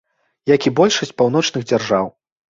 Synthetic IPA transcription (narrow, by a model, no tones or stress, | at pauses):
jakʲibɔlʲʂɐsʲt͡sʲpawn̪ɔt͡ʂnɨɣd͡zʲarʐaw